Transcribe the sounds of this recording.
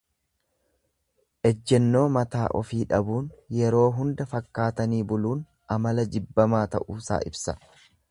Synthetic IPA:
ʔɛd͡ʒːɛnːo̞ːmɐt̪aːʔɔfiːᶑɐbuːnjɛɾo̞ːɦʊnd̪ɐfɐkːaːt̪ɐniːbʊluːn | ʔɐmɐlɐd͡ʒɪbːɐmaːt̪ɐ̰ʔuːsa̰ːʔɪbsɐ̥

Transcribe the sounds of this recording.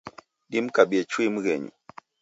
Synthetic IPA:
ɗimkabiet͡ʃimuɣɛɲṵ

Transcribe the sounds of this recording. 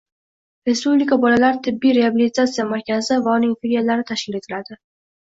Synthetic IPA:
ɾe̞spublikabɒlalaɾt̪ʰɪbːijɾeabilit̪at̪sijamaɾkʲazɪvaʊnɪŋfilijalaɾɪt̪ʰaʃkʲɪle̞t̪ʰɪlad̪ɪ

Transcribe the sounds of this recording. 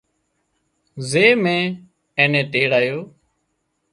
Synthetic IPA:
zeːmẽː | ẽːnẽːʈeːɽaːjoː

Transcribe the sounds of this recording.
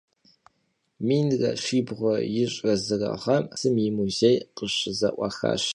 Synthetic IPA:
miːnrɐ̰ʃiːbʁʷɔjɪɕʼrɐzɨrɐ̰ʁɐmsɨmjɪmuzejqəɕɪzɐ̰ʔʷʼɑ̰xa̰ːɕ

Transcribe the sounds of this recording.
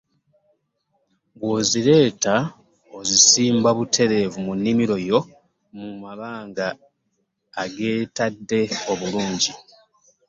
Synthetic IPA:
ɡwoziɾe̞ːta | ozisiːmbaβutʰe̞ɾe̞ːvumunːimiɾo̞jo̞ | mumaβaːŋɡaː | ɡe̞ːtadːe̞o̞βuluːɲɟi

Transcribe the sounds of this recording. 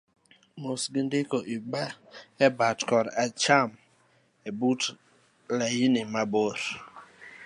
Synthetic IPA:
mosɡindɪkoʔibaɛbatkɔɾat͡ʃam | ebut | lajinɪmaboɾ

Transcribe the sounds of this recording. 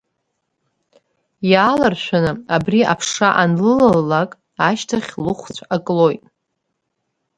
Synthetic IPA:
jaːlarʃʷᶣanɨabria̰pʰʂaʔanlɨlalːakʼ | aʃtʰaχʲlɨχʷt͡sʷʰakʼlo̞jtʼ

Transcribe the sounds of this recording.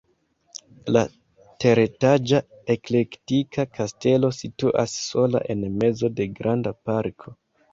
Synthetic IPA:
la | te̞ɾetad͡ʒa | ekle̞ktikʰakʰaste̞lo̞situʔa̰sːo̞la̰ʔe̞nme̞zo̞de̞ɡɾʔandapaɾkʰo̞

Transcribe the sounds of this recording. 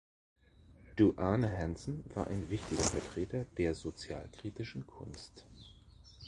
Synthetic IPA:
d̥uʔaːnəɦɛnsn̩vaːɐʔa̰ɪnvɪçtɪɡɐfɛɐtʁ̥eːtɐd̥eːɐzot͡sja̰ːlkʁ̥iːtɪʃn̩kʰʊ̰nst

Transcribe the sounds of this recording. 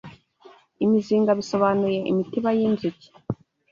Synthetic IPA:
imiziːŋɡaβiso̞βanuje̞ʔḭmitiβajinzuci̥

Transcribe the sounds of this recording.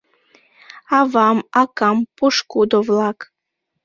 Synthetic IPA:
ɑvɑmɑkɑmpuʃkud̪ovlˠɑk

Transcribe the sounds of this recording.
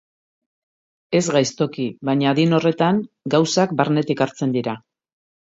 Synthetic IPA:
e̞zɣajst̪o̞kiβaɲaðino̞re̞t̪aŋ | ɡawsakbaɾne̞t̪ikaɾt͡se̞nd̪iɾa

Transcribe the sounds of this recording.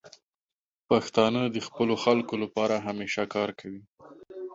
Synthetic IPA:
paxt̪ɑnəd̪əxpəloxalkolapɑɾaɦameʃakɑɾkʰawi

